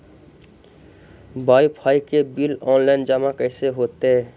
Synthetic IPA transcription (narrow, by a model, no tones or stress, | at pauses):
bajpʰajkebilɔnlaɪnd͡ʒamakəɪseɦot̪e